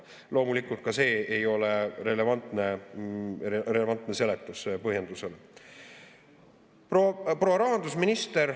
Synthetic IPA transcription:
lo̞ːmulikult̪̚kɑse̞ːejo̞leɾe̞le̞vɑnt̪ˑne | erelevɑnt̪ˑnese̞let̪ːˑuspɤɦjend̪̥usele | poproːɾɑɦɑnd̪usminist̪eɾ

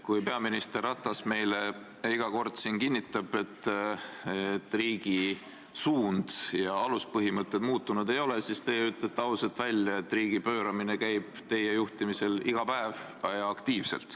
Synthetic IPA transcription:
kujpe̞ɑminist̪erɑt̪ːˑɑsme̞jle | iɡ̥ɑko̞rd̪̥sinkinʲːit̪ːˑɑb̥e̞t̪ː | et̪ːˑriːɡ̥i | suːnd̪̥jɑɑluspɤɦimɤt̪ˑːe̞d̪̥muːt̪ːˑunud̪̥e̞jo̞lesist̪e̞yt̪ːˑlet̪ːɑuselt̪vælʲjɑe̞t̪ːˑriːɡ̥ipø̞ːɾɑminekæjb̥t̪e̞je̞juht̪imise̞liɡ̥ɑpæevɑjɑɑkt̪iːvse̞̰lt̪ˑ

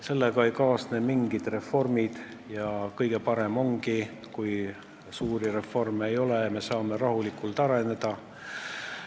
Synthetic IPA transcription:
se̞lːeɡ̥ɑejkɑːsnemiŋɡ̥id̪̥re̞fːo̞rmid̪̥ | jɑkɤjɡ̥e̞pɑɾe̞mo̞ŋɡ̥i | kuj | suːɾire̞fo̞rme̞jo̞leme̞sɑːme̞ɾɑɦulikult̪ɑɾe̞ne̞d̪̥ɑ

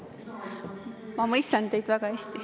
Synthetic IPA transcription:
mɑmɤjst̪ɑnt̪e̞jd̪̥væɡ̥ɑhesʲt̪i

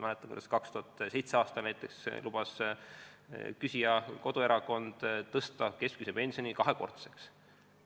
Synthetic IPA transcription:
mælet̪ːˑɑmkṵd̪̥ɑskɑkst̪uhɑt̪ːse̞jt̪seɑːst̪ɑlnæjt̪ˑːe̞kslub̥ɑs | kysijɑko̞d̪ue̞ɾɑko̞nd̪̥ɤst̪ɑke̞skysepe̞nsio̞nikɑɦeko̞̰rt̪se̥ks

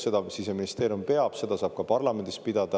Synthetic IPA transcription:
se̞d̪ɑvisise̞minist̪eːɾjumpe̞ɑb̥se̞d̪̥ɑsɑːb̥̚kɑpɑrlɑme̞nd̪is̚pid̪̥ɑd̪̥ɑ

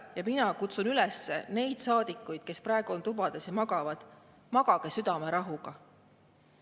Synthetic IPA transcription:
jɑminɑkut̪sunylɛsːe̞̰ne̞jd̪̥sɑːd̪ikːˑujd̪̥ke̞sprɑˑeɡ̥uo̞nt̪ubɑd̪̥esjɑmɑɡɑvɑd̪̥ | mɑɡ̥ɑɡ̥e̞syd̪ɑme̞ɾɑɦuɡ̥ɑ

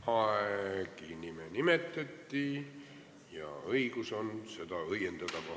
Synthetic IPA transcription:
hɑekinimenimet̪ːet̪ːi | jɑ̰ɤiɡusonse̞d̪ɑɤjend̪̥ɑt̪ɑkɑ

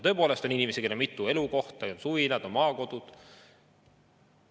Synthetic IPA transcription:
t̪ɤpo̞ːle̞st̪o̞ninimesike̞lːemit̪ːˑue̞luko̞ht̪ɑonsuinɑd̪̥o̞nmɑːko̞d̪̥ud̪̥

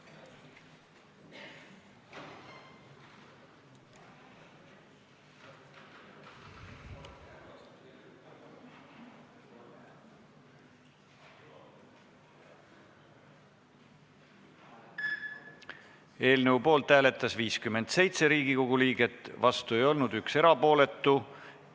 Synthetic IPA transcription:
e̞ːlneupo̞ːlt̪ːhæːle̞t̪ːˑɑsviːskymːe̞nd̪se̞jt̪se̞ɾiːɡiko̞ɡ̥uliːɡe̞t̪ːˑvɑst̪ue̞jo̞lnud̪ykse̞ɾɑpo̞ːle̞t̪ːˑu

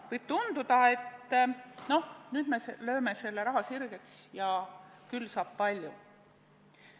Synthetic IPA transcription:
vɤjb̥̚t̪und̪ud̪̥ɑe̞t̪ː | no̞hnyːd̪̥me̞selø̞ːme̞se̞lːeɾɑɦɑsirɡ̥e̞ksjɑkylːsɑːb̥̚pɑlʲju

